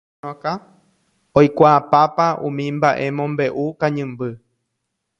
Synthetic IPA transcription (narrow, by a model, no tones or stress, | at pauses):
õka | ojkʷaːpapaʔṵ̃mĩmbaʔe̞mõmbe̞ʔukãɲɨ̃mbɨ